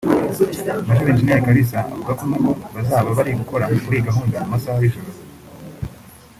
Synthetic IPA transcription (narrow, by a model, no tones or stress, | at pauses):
amaʃ̬uɾeːnd͡ʒinejakaɾis̬aa̰vuɡakumaɡoβazaːβaβaɾiɡuko̞ɾakuɾiɡaɦuːndamumasahajiʃoɾoz